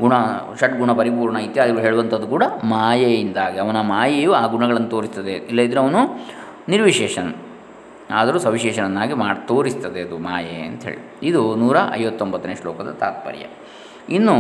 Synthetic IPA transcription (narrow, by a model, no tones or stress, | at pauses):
ɡuɳɐʂɐʈɡuɳɐpɐɾip̬uːɾɳɐit̪ːjaːd̪ɡɐlɦe̞ːɭuʋɐnt̪ʰɐd̪ukuːɽɐmaːjɐind̪aːɡeɐʋɐnɐmaːjiuaːɡuɳɐɡɐɭɐnːut̪oːɾist̪ɐd̪eilːɐjid̪ɾeɐʋɐnu | niɾʋiʂɛːʂɐnɐ | aːd̪ɐɾusɐʋiʃɛːʃɐnɐnːaːɡimaːɽt̪o̞ːɾist̪ɐd̪eɐd̪umaːjɐ̰ɐ̰nt̪ɐɦḛːɭi | id̪unuːɾɐɐ̰jʋɐt̪ːombɐt̪ːuneːʂlɔːkɐd̪ɐ̰t̪aːt̪pɐ̰ɾjɐ̰ | inːu